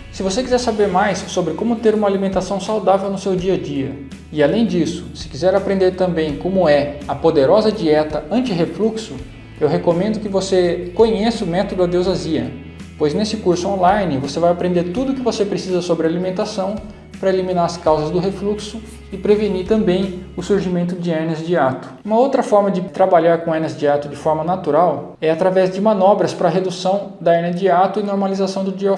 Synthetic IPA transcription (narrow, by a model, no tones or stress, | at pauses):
sɪvosekizɛɾsabeɾmajsːobɾɪkõmʊt̪eɾũmɐalimẽnt̪asɐ̃w̃sawd̪avewnʊsewd͡ʒiɐd͡ʒiɐ | ɪalẽj̃d͡ʒisʊ̥sɪ̥kizɛɾapɾẽnd̪eɾt̪ɐ̃bẽj̃kõmʊɛɐpod̪eɾɔzɐd͡ʒiɛt̪ɐɐ̃nt͡ʃɪɦefluksʊ | ewɦekomẽnd̪ʊkɪvosekõɲesɪʊmɛt̪od̪ʊad̪ozaziɐ̰ | pojznesɪkuɾsʊõlajnɪvosevajapɾẽnd̪eɾt̪ud̪ʊkɪvosepɾesizɐsobɾɪalimẽnt̪asɐ̃w̃ | pɾɐelimĩnaɾɐskawzɐzd̪ʊɦefluksʊ | ɪpɾeveniɾt̪ɐ̃mbẽj̃ʊsuɾʒimẽnt̪ʊd͡ʒɪɛɾnɐzd͡ʒɪat̪ʊ̥ũmɐowt̪ɾɐfɔɾmɐd͡ʒɪt̪ɾabaʎaɾkõɛnɐzd͡ʒɪat̪ʊd͡ʒɪfɔɾmɐnat̪uɾaw | ɛat̪ɾavɛzd͡ʒɪmɐ̃nɔbɾɐspɾɐɦed̪usɐ̃w̃d̪ɐɛɾnɐd͡ʒɪat̪ʊɪnoɾmalizasɐ̃w̃d̪ʊd͡ʒio